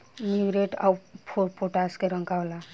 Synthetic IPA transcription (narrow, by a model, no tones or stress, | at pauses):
miwɾeʈa̰wpʰoɾpʰoʈaskeɾɔŋkawla